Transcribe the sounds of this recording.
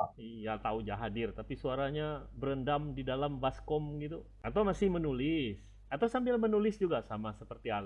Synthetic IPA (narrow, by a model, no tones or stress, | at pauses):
ijat̪aud͡ʒaɦadɪrt̪apisuaɾaɲabəɾəndamdidalambaskɔmɡit̪̬u | at̪awmasɪhmənulɪs | at̪awsambɪlmənulɪsd͡ʒuɡasamasəpərt̪iala